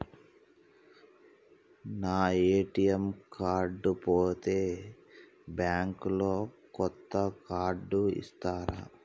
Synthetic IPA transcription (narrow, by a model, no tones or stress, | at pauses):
naːeːʈijɐmkaːɾɖupoːt̪e̞ː | bjaːŋkulo̞ː | kɔt̪ːɐkaːɾɖuḭst̪aːɾa